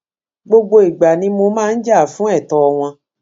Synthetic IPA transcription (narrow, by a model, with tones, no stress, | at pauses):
ɡ͡bo˧ɡ͡bo˧i˨ɡ͡ba˨nĩ˧˦mo˧mãː˦˧˦n̩˦d͡ʒa˦˨fũ˨˦ɛ˦˨tɔ˨˧w̃ɔ̃˧